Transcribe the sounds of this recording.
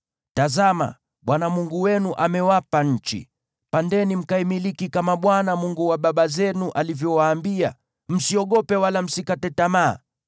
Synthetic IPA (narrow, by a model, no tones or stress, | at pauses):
tazama̰ | ɓwanamuŋɡuwɛnuʔamɛwapaɲ̩t͡ʃḭ | pandɛnim̩kaimilikikamaɓwanamuŋɡuwaɓaɓazɛnuʔalivjɔwaːmbia̰ | m̩siɔɠɔpɛwalam̩sikatɛtama̰ː